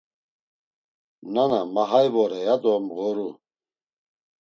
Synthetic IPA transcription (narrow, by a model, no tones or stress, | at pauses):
nanamaɦajvɔɾɛjad̪ɔmɣɔɾu